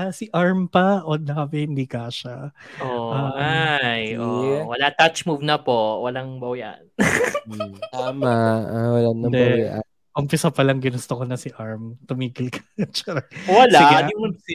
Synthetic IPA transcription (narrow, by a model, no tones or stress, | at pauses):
ʔɐsɪʔaɹmpɐʔod̪ɐɐbɛhɪnd̪iːkaʃaʔoʔaajowɐlat̪at͡ʃmuːvnɐpowɐlaŋbɐwjʔa̰n | t̪aːmaawɐlannɐd̪ɛbʔa̰ | ʔʊmpɪsɐpɐlɐŋɡɪnʊst̪okonɐsɪʔaɹmt̪ʊmiːɡɪlkɐ̥t͡ʃɛɾwɐla